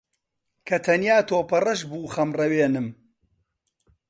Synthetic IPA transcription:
kʰɐt̪ʰɐnjaːt̪ʰoːpɐrɐʃbuːχɐmrɐweːnɨm

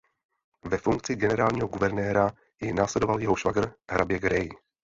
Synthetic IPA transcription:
vɛfuŋk̚t͡sɪɡɛnɛɾaːlɲiːɦoɡuvɛɾnɛːɾa | jɪnaːslɛdovaljɛɦoʃvaɡr̩ɦɾʔabjɛɡɾɛj

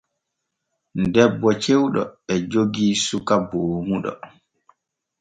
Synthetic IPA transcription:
ndɛbːɔt͡ʃewɗɔ̰ɛd͡ʒoɡiːsukaboːmuɗɔ̰

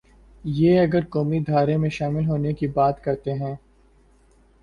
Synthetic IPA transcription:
jeːɐɡəɾkɔːmid̪ʱaːɾemẽʃaːmɪlɦoːnekibaːt̪kɐɾt̪eɦɛ̃ː

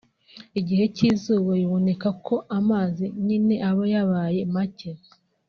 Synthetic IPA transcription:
iɟihe̞ciːzuːβojiβone̞kakʰo̞ʔamaːziɲine̞ʔaβojaβaːje̞maceɾ

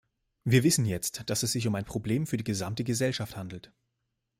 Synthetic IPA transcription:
viːɐvɪsn̩jɛt͡std̥asɛsz̥ɪç̬ʊmaɪnpʁ̥obleːmfyːɐdiːɡəzamtəɡəzɛlʃafthandl̩t

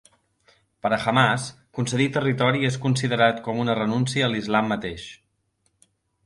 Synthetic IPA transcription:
pəɾəxəmas | kunsəðit̪ərit̪ɔɾieskunsiðəɾat̪kɔmunərənunsiəːlizlamːət̪eʃ

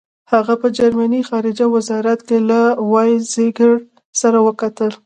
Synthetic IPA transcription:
haɣapəd͡ʒaɾmanixɑɾɪd͡ʒawɪzɑɾat̪kelawɑjzeɡəɽ | saɾawəkat̪əl

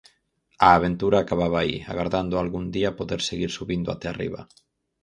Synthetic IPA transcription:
aːβ̞ent̪uɾaːkaβ̞aβ̞aḭa̰ɣaɾðand̪oalɣund̪iapoðeɾseɣiɾsuβind̪oa̰t̪ɛarḭβ̞a̰

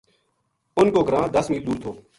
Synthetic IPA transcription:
ʊnkoːɡəɾãːd̪əsmiːld̪uːɾt̪ʰoː

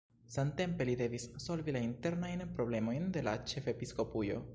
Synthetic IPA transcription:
sante̞mpe̞lide̞visːo̞lvilainte̞ɾnajnpɾo̞ble̞mo̞jnde̞la̰t͡ʃe̞fe̞pisko̞pujo̞̰

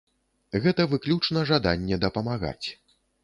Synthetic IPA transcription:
ɣɛt̪ɐvɨklʲut͡ʂnɐʐad̪a̰nʲːɛd̪ɐpɐmaɣa̰t͡sʲ

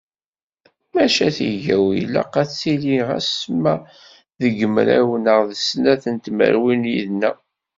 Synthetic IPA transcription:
mæʃæθiʝæwḭlæ̰qæt͡sːiliʁæ̰smæ | ðəɡəmɾæ̰wənəʁðəsnæθənt̪mə̰ɾwinjiðnæ

